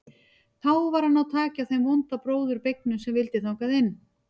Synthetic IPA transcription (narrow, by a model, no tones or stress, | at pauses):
θawvaɾ̥hanːawt̪ʰaːcaθejmvɔnt̪apɾoːwðʏɾpejk̚nʏsɛmvɪlt̪ɪθʰaːwkaðɪnː